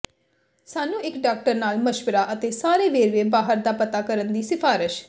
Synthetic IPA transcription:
saːnũːɪkɖaːk̚ʈəɾnaːlməʃpəɾaːʔət̪eːsaːɾeːʋeːɾʋeːbaːɦəɾd̪aːpət̪aːkəɾənd̪iːsɪpʰaːɾɪʃ

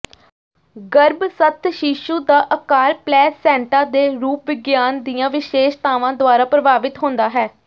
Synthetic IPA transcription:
ɡəɾbsət̪ʰʃiːʃũːd̪aːʔəkaːɾplɛːsːɛ̃ːɳʈaːd̪eːɾuːp̚ʋɪɡjaːnd̪ijãːʋɪʃeːʃt̪aːʋãːd̪ʊaːɾaːpɾəbaːʋɪt̪ɦõːnd̪aːɦɛː

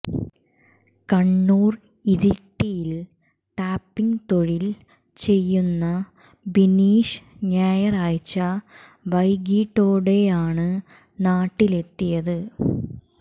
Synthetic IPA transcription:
kɐɳːuːr | iðiʈːijil | ʈaːpːiŋt̪o̞ɻil | t͡ɕe̞jːunːɐ | biniːʂɲaːjɐraːjt͡ɕːɐ | ʋɐjɡiːʈːoːɽe̞jaːɳɨ | naːʈːile̞t̪ːijɐðɨ

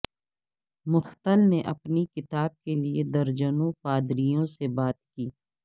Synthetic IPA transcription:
mʊxt̪əlneʔɐpnikɪt̪aːb̚kelied̪ɐɾd͡ʒənõpaːd̪ɾijõsebaːt̪̚kiː

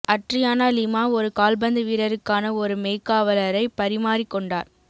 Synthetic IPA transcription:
ɐʈrɪjaːnɐlɪmaːɔɾɯkaːlbɐnd̪ɯʋiːɾɐɾɯkːaːnɐɔɾɯmeːkːaːʋɐlɐɾɐɪpɐɾɪmaːɾɪkːɔɳɖa̰ːɾ

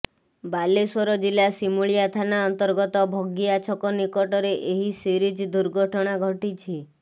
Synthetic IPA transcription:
balesɔɾɔd͡ʒilasimuɭijat̪ʰanaɔnt̪ɔɾɡɔt̪ɔbʱɔɡiat͡ʃʰɔkɔnikɔʈɔɾeʔeɦisiɾid͡ʒd̪uɾɡʱɔʈʰɔɽ̃aɡʱɔʈit͡ʃʰi

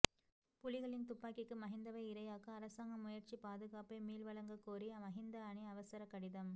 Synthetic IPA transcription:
pʊlɪɣɐɭɪnt̪ʊpːaːkɪkːɯmɐɦɪnd̪ɐʋɐɪɪɾɐjaːkɐːɾɐsaːŋɡɐmʊjɐɾt͡ʃipaːðɯɣaːpɐɪmiːlʋɐɭɐŋɡɐkːoːɾiɐmɐɦɪnd̪ɐɐɳiɐʋɐsɐɾɐkɐɽɪðɐm

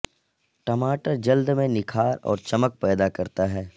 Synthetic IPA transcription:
ʈɐmaːʈəɾd͡ʒɐld̪mẽnɪkʰaːɾɔ̰ːɾt͡ʃɐmək̚pɛːd̪akɐɾt̪aɦɛː

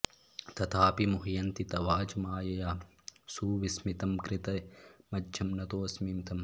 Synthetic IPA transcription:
t̪ɐt̪ʰaːpimuɦjɐnt̪it̪ɐʋaːd͡ʒɐmaːjɐjaː | suːʋismit̪ɐmkɾit̪ɐmɐdʒɐmnɐt̪oːɐsmimt̪ɐm

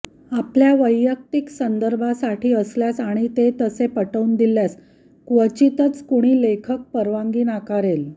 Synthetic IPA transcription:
apljaʋəjːək̚t̪iksənd̪əɾbʱasaʈiːəsljasaɽ̃it̪et̪əsepəʈəund̪iljas | kʋət͡ɕit̪ət͡skuɽ̃iːlekʰək̚pəɾʋãŋɡiːnakaɾel

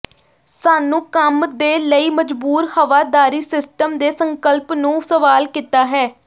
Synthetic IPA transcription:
saːnũːkəmd̪eːləiːməd͡ʒbuːɾhəʋaːd̪aːɾiːsɪsʈəmd̪eːsəŋkəlpnũːsəʋaːlkiːt̪aːɦɛː

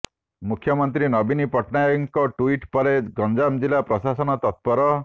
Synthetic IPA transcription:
mukʰjɔmɔnt̪ɾinɔbinipɔʈnajɔŋkɔʈuiʈpɔɾeɡɔnd͡ʒamd͡ʒilapɾɔsasɔnɔt̪ɔt̪̚pɔɾɔ

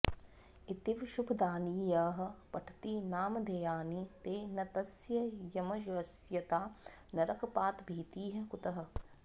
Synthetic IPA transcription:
it̪iʋʃubʰʱd̪aːniːjaːɦɐ̆pɐʈʰt̪inaːmɐd̪ʱɐjaːnit̪eːnɐt̪ɐsjɐjɐmɐʃʋɐsjɐt̪aː | nɐɾɐkɐpaːt̪bʱiːt̪iːɦɐ̆kut̪ɐɦɐ̆

